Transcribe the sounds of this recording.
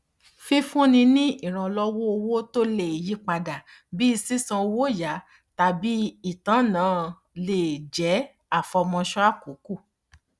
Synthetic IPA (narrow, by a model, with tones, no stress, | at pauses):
fi˦fũ˦nĩ˧nĩ˦i˦˨ɾ̃ã˧lɔ˦wo˦o˧wo˦to˦le˦˨ji˨˦k͡pa˧da˨ | bi˦i˧si˦sã˧o˧wo˦˨ja˨˦ | ta˧bi˨˦i˦˨tã˨˦˨nãː˨˦ | le˨d͡ʒɛ˨˦ | a˦˨fɔ˧mɔ̃˧ʃɔ˦a˦˨ku˨˦ku˦˨